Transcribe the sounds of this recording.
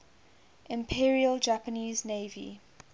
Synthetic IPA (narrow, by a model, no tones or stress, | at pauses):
ʔɪ̃mpʰiɹiəld͡ʒapəniːzneɪvḭ